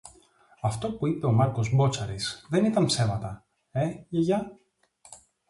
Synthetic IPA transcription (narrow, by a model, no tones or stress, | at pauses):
ɐft̪o̞puipe̞o̞mɐɾko̞zbo̞t͡sɐɾisðe̞nit̪ɐnpse̞mɐt̪ɐ | e̞ʝeʝɐ